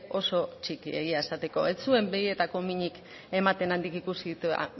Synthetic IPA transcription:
o̞so̞t͡ʃikḭe̞̰ɣiae̞sat̪e̞ko̞̰et͡sue̞mbeie̞t̪ako̞miɲik | e̞mat̪e̞nand̪ikikusiðit̪ṵ

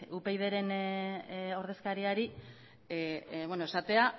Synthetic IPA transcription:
upe̞jð̞e̞ɾe̞n | o̞ɾðe̞skaɾiaɾi | βwenoesat̪e̞a

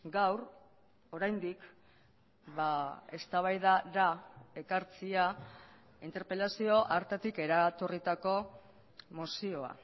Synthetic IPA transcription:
ɡawɾ | o̞ɾajnd̪ik | βae̞st̪aβ̞ajðaɾae̞kaɾt͡sia | int̪e̞ɾpe̞lasio̞ʔaɾt̪et̪ike̞ɾat̪orit̪ako̞ | mosio̞a̰

